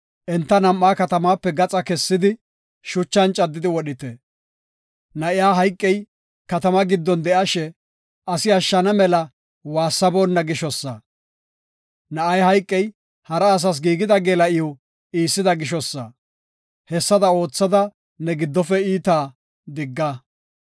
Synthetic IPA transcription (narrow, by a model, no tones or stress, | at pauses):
ʔɛnt̪ːɐnɐmːaːkɐt̪ɐmaːpːɛɡɐt͡sʼɐkɛsːɪd̪ɪ | ʃʊt͡ʃːɐnt͡ʃʼɐd̪ːɪd̪ɪwɔɗɪt̪ɛ | nɐʔɪjaːɦɐjkʼːɛj | kɐt̪ɐmɐɡɪd̪ːɔnd̪ɛʔaʃɛ | ʔɐsɪɐʃːɐnɐmɛlɐ | waːsːɐboːnːɐɡɪʃɔsːɐ̰ | nɐɐjhɐjkʼːɛj | hɐɾɐːs̬ɐs̬ɡiːɡɪd̪ɐɡeːlɐʔɪjo | iːsːɪd̪ɐɡɪʃɔsːɐ̰ | hɛsːɐd̪ɐo̞ːt͡sːɐd̪ɐ | nɛɡɪd̪ːɔfɛiːt̪aː | d̪ɪɡːɐ